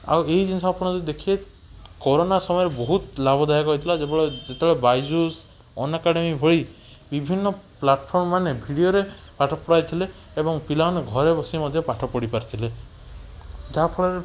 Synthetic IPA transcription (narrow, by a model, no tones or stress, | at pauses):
a̰weid͡ʒinsabpɔɽ̃ɔt̪d̪ekʰie | kɔɾonasɔmɔjɔɾebɔɦut̪labʱɔd̪ajakɔɦit̪ʰilad͡ʒebeɭɔd͡ʒet̪ebeɭɔbajd͡ʒus | ɔ̰nakaɽemibʱɔɭi | bibʱinːɔplaʈpʰɔɾmɔmanebʱiɽijoɾe | paʈʰɔpɔɽajt̪ʰileː | bɔŋpilaneɡʱɔɾebɔsimɔd̪ʱjɔpaʈʰɔpɔɽipaɾt̪ʰile | d͡ʒapʰɔɭɔɾe